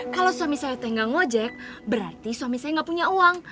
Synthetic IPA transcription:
kalawsuamisajat̪ɛŋɡaŋod͡ʒɛk̚bəɾa̰rt̪isuamisajaŋɡapuɲauaŋ

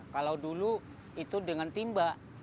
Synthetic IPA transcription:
kalawdulu | it̪udəŋant̪imbaʔ

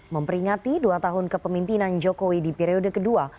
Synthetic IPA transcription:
məmpəɾiŋat̪iduat̪aɦʊnkəpəmimpinand͡ʒokowidipɛɾiodəkədua

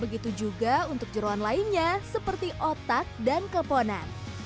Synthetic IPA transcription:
bəɡit̪ud͡ʒuɡaunt̪ʊk̚d͡ʒəɾoanlainɲasəpərt̪iʔot̪at̪̚dankəpona̰n

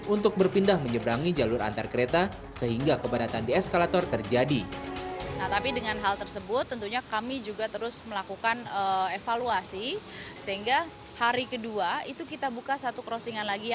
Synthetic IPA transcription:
unt̪ʊk̚bərpindahməɲəbəɾaŋid͡ʒalʊɾa̰nt̪arkəɾet̪a | səɦiŋɡakəbadat̪andiɛskalat̪ɔrt̪ərd͡ʒadi | naht̪apidəŋanɦalt̪ərsəbʊt̪ːənt̪uɲakamid͡ʒuɡat̪əɾʊsməlakukanəefaluasisəɦiŋɡa | haɾikəduait̪ukit̪abukasat̪ukəɾosiŋanlaɡi

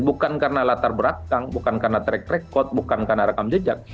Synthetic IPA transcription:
bukankarnalat̪arbəɾakaŋbukankarnat̪ɾɛk̚ɾekɔt̪̚bukankarnaɾakamd͡ʒəd͡ʒak̚

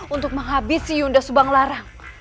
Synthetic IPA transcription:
unt̪ʊk̚məŋɦabɪsiundasubaŋlaɾaŋ

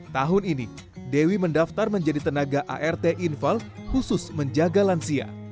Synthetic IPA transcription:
t̪aɦʊnini | dewiməndaft̪arməɲd͡ʒadit̪ənaɡaʔa̰ʔɛrt̪eʔinfalhusʊsməɲd͡ʒaɡalansia̰

